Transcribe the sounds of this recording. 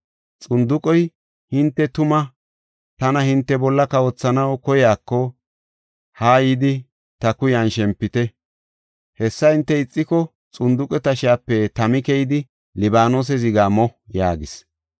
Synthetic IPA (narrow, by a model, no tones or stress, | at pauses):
t͡sʼʊnd̪ʊkʼɔj | hɪnt̪ːɛt̪ʊmɐ | t̪ɐnɐhɪnt̪ːɛbɔlːɐkɐwɔt͡sːɐnɐwkɔjaːkːɔ | haːjid̪ɪ | t̪ɐkʊjɐnʃɛmpːɪt̪ɛ | hɛsːɐhɪnt̪ːɛɪt͡sʼːɪkɔ | t͡sʼʊnd̪ʊkʼɛt̪ɐʃɪjaːpːɛt̪ɐmɪkɛjɪd̪ɪ | lɪbaːnoːs̬ɛzɪɡaːmɔjaːɡɪs